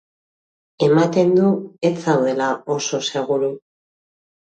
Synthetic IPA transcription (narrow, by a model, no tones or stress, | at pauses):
e̞mat̪e̞nd̪uet͡sawðe̞lao̞so̞se̞ɣ̞uɾu